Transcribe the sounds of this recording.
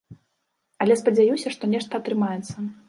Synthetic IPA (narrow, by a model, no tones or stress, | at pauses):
ɐlʲɛspɐd͡zʲajusʲɐʂt̪ɔnʲɛʂt̪ɐːt̪ɾɨmajɛt̪sːɐ